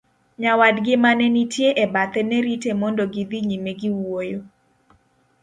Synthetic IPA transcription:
ɲawadɡɪmanɛnitjeʔebat̪ɛnɛɾitemɔndɔɡid̪iɲimeɡiwojo

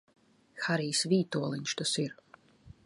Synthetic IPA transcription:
xaɾiːsviːt̪uɔlˠinʲʃt̪ɐsiɾ

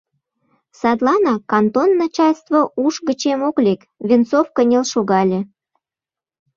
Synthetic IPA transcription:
sɑt̪lɑnɑkɑnt̪onːɑt͡ɕɑlʲst̪voʔuʃɣə̆t͡ɕemoklʲek | βʲint͡sofkənʲelʃoɣɑlʲe

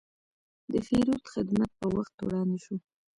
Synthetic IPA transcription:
d̪əfeɾut̪xɪd̪mat̪̚pəwaxt̪ːo̰ɽɑniʃu

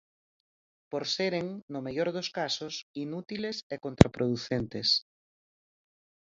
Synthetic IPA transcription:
poɾseɾeŋnʊmeʎoɾðoskasosinut̪ilesekont̪ɾapɾoðuθent̪es

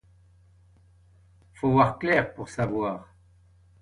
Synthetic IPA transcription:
foːvwaʁklɛːʁpuʁsavwaːʁ

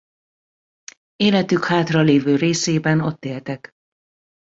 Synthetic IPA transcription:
eːlɛt̪ykhaːt̪rɒleːvøːɾeːseːbɛno̞t̪ːeːlt̪ɛk

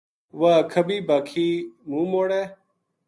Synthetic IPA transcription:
ʋakʰəbiːbaːkʰiːmũːmoːɽeː

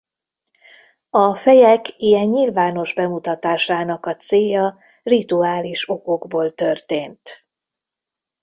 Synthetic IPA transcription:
ɒfɛjɛkijɛɲːilvaːno̞ʒbɛmut̪ɒt̪aːʃaːnɒkɒt̪seːjɒ | rit̪uaːliʃo̞ko̞ɡboːlt̪ø̞rt̪eːnt̪

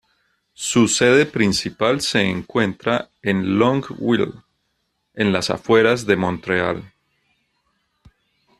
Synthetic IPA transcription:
suse̞ðe̞pɾinsipalse̞ːŋkwe̞nt̪ɾa | enlõŋɡwil | e̞nlasa̰fwe̞ɾazðe̞mõnt̪ɾea̰l

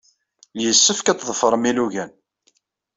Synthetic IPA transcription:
ljəsːəfkæt͡s̪ðˤəfəɾˤəmiluʝæn

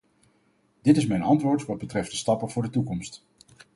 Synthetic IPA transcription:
d̥ɪtɪsmɛjnɑntʋʊːɹtʋɑd̚bətrɛftdəstɑpəvʊːɹdətukɔmst

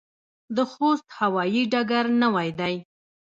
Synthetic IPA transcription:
d̪əxost̪hawɑjiɖaɡaɾnawajd̪aj

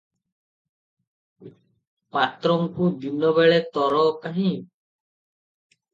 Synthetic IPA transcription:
pat̪ɾɔŋkud̪inɔβeɭet̪ɔɾɔkaɦĩ

